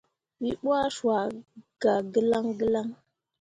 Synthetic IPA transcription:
wi˦ɓu˦a˦ʃwa˨ɡ̥a˨ɡə˦la˦ŋɡə˦la˦ŋ

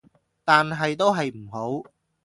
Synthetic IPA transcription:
t̪aː˨nɦɐ˨jt̪o˥wɦɐ˨jm̩˨˩ɦo˨˥w

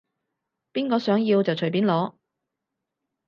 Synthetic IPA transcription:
piː˥nkɔː˧sœː˨˥ŋjiː˧wt͡sɐ˨wt͡ʃʰɵ˨˩jpiː˨˥nlɔː˨˥

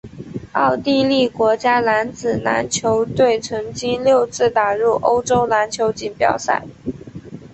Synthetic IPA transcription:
ɑ˥˧ʊt̪i˥˧li˥˩kwɔ˧˥t͡ɕja˥na˧˥nt͡sɹ̩˨˩na̰˧˥nt͡ɕʰjo˧˥ʊt̪we˥˩ɪʈ͡ʂʰɤ˧˥ŋt͡ɕi˥nljo˥˧ʊt͡sɹ̩˥˩t̪a˨˩ɻu˥˩ʔo˥ʊʈ͡ʂo˥ʊna˧˥nt͡ɕʰjo˧˥ʊt͡ɕi˨˩npjɑ̰˨˩ʊsa̰˥˩ɪ

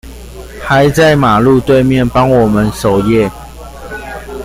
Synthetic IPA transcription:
xa˨˦ɪt͡sa˥˨ɪma˨˩lu˥˧t̪we˥˧ɪmjɛ˥˨npɑ˦ŋwɔ˨˩mə˦nso˨˩ʊjɛ˥˨

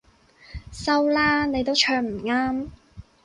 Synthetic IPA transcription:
sɐ˥wlaː˥ne˨˧jt̪o˥wt͡ʃʰœː˧ŋm̩˨˩ŋaː˥m

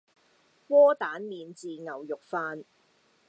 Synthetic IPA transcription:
wɔː˥t̪aː˨˥nmiː˨˧nt͡siː˨ŋɐ˨˩wjʊ˨k̚faː˧n

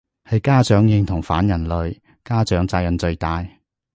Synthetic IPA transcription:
hɐ˨jkaː˥t͡ʃœː˨˥ŋjɪ˧ŋt̪ʰʊ˨˩ŋfaː˨˥njɐ˨˩nlɵ˨ɥ | kaː˥t͡ʃœː˨˥ŋt͡saː˧k̚jɐ˨˩nt͡sɵ˧ɥt̪aː˨j

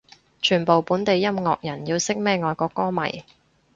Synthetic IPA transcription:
t͡ʃʰyː˨˩npo˨wpuː˨˥nt̪e˨jːɐ˥mŋɔː˧k̚jɐ˨˩nji˧wsɪ˥k̚mɛː˥ŋɔː˨˧jkɔː˧kːɔː˥mɐ̰˨˩j

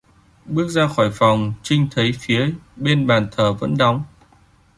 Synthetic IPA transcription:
ɓɨ˦˥ək̚zaː˧xɔː˧˩jfa˨˩wŋ͡mt͡ɕï˧ŋ̟t̪ʰə˨˦jfi˨˦əɓe˧nɓaː˨˩nt̪ʰəː˨˩və̰˧˥nɗɔ˨˦wŋ͡m

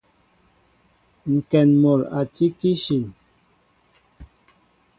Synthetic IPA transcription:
ŋ̩˨kɛ˨nmɔ˨la̰˨ti˦ki˦ʃi˨n

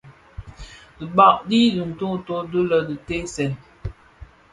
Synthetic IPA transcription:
də˨ba˦˨ʔdi˦du˨n˨to˦˨to˦də˦lə˨dɨ˨te˦sɛ˨n

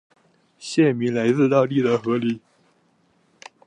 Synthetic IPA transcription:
ɕjɛ˥˩mi˧˥ŋla˧˥ɪt͡sɹ̩˥˧t̪ɑ˥˧ʊli˥˩d̪ə˩xɤ˧˥li˧˥

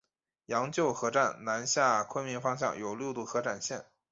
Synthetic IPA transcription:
jɑ˧˥ŋt͡ɕjo˥˩ʊxɤ˧˥ʈ͡ʂa˥˩nna˧˥nɕja˥˩kʰwə˥nmi˧˥nfɑ˥ŋɕ̬jɑ̰˥˩ŋjo˨˩ʊljo˥˧ʊt̪u˥˩xɤ˧˥ʈ͡ʂa˨˩nɕjɛ˥˩n

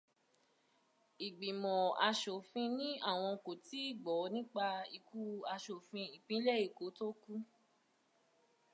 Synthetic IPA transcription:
i˨ɡ͡bi˨mɔ̃˨a˧ʃo˨fĩ˧nĩ˦a˦˨w̃ɔ̃˧ko˨ti˨˦i˦˨ɡ͡bɔ˨˦nĩ˦k͡pa˧i˨ku˦a˧ʃo˨fĩ˧i˨k͡pĩ˨˦lɛ˦i˦˨ko˨˦to˦ku˦

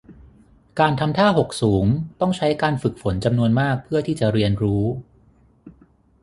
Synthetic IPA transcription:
kaː˧nt̪ʰa˧mt̪ʰaː˥˩ɦo˨˩k̚suː˩˦ŋt̪ɔ˥˩ŋt͡ɕʰa˦˥jkaː˧nfɯ˨˩k̚fo˩˦nt͡ɕa˧mnu˧ənmaː˥˩k̚pʰɯ˥˩ət̪ʰiː˥˩t͡ɕa˨˩ɾi˧ənɾuː˦˥

